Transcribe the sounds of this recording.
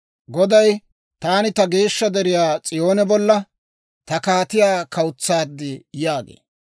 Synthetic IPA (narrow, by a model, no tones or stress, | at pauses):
ɡɔd̪ɐj | t̪aːnɪt̪ɐɡe̞ːʃːɐd̪ɛɾɪjaːt͡sʼɪjo̞ːnɛbɔlːɐ | t̪ɐkaːt̪ɪjaːkʰɐwʊt͡sːaːd̪ːɪjaːɡḛː